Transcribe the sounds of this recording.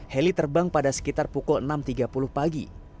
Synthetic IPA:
helit̪ərbaŋpadasə̥kit̪arpukʊlənamt̪iɡapulʊhpaɡḭ

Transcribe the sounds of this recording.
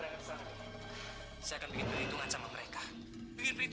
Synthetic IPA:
ɾaŋat̪sa | sajakanbikɪnpəɾit̪uŋat͡ʃamaməɾekḁ | bikɪnpit̪

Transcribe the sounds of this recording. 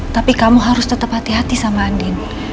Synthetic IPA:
t̪apikamuɦaɾʊst̪ət̪əphat̪iɦat̪isamaːndɪn

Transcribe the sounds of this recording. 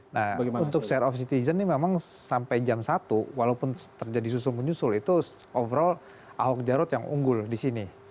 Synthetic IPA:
nahunt̪ʊksɛɾɔfsit̪izənːimemaŋ | sampajd͡ʒamsat̪uwalaupʊnt̪ərd͡ʒadisusulmuɲusʊlit̪u | ɔvəɾɔl | a̰ɦɔk̚d͡ʒaɾʊt̪jaŋṵŋɡʊldisini

